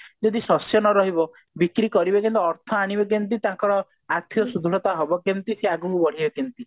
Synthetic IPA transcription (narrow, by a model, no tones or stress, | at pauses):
d͡ʒɔd̪isɔsjɔnɔɾɔɦibɔ | bikɾikɔɾibekɔnt̪iːɾt̪ʰɔaɽ̃ibek̬jɔnt̪̬it̪ãŋkɔɽɔ | at̪ʰjɔsud̪ʱuɾɔt̪aɦɔbɔkjɔnt̪iseaɡuŋkubɔɽ̤ibekint̪i